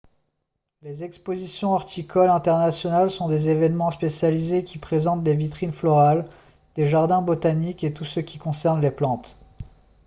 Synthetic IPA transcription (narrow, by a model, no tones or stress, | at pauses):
lezɛkspozisjɔ̃ɔʁt̪ikʰɔlɛ̃t̪ɛʁnasjɔnalsɔ̃d̪ezevɛnmɑ̃spesjalizekʲipχezɑ̃t̪̚d̪evit̪χinflɔʁal | d̪̥eʒaʁd̪ɛ̃bot̪aniket̪usəkʲi̥kɔ̃sɛʁnleplɑ̃t̪